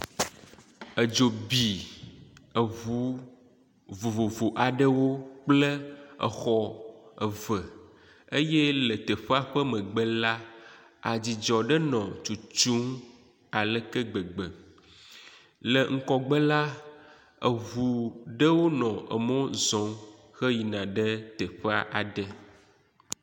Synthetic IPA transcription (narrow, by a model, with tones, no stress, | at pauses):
ə˨d͡ʒo˨bi˨ | ə˨vu˨˦ | vo˨vo˨vu˨ʔa˨ɖə˦wo˦k͡plə˦ə̰˨xɔ˦ə˨və˨ | ə˦jɛ˦lə˨t̪ə˨ɸə˦a˦ɸə˦mə̃˨ɡ͡bə˦la˦ | a˨d͡ʑi˨d͡ʒɔ˨ɖə˦nɔ̃˨t͡ʃu˨t͡ʃu˦ŋ | a˨lə˦kə˦ɡ͡bə˨ɡ͡bə̰˨ | lə˨ŋ̩˦kɔ˦ɡ͡bə˦la˦ | ə˨vu˨ɖə˦wo˦nɔ̃˨ʔə̰˨mɔ̃˦zɔ̃˨ | xə˦ji˨nã˨ɖə˦t̪ə˨ɸə˦a˦ʔa˨ɖə˦